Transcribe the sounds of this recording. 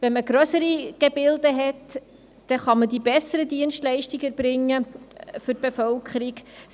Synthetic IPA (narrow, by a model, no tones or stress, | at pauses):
vɛnməɡɾœsəɾiɡ̥ebɪldəɦɛt | d̥ɛχɑmədibɛsːəɾədiənʃtlɛɪʃtiɡɛɾbɾɪŋːəfʏɾ̚b̥efœlkχəɾiɡ